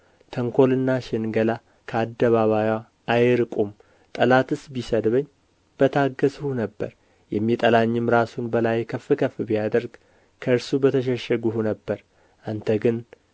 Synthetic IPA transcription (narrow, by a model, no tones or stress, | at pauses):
t̪ʰəŋkʰo̞lɨnːaʃɪnɡəla | kʰəad̪ːəβaβajwaː | jɾɨkʼum | t̪ʼəlat̪ɨsbisəd̪βəɲː | b̥ət̪ʰaɡːəshunəbːə̰ɾ | jɛmːit̪ʼəlaɲːɨmɾasunbəlajkʰəfːɨkʰəfɨbijad̪əɾɡ | kʰəɨɾsubət̪ʰəʃ̬ɛʃːəɡuɦunəbːəɾ | ʔant̪ʰəɡɨn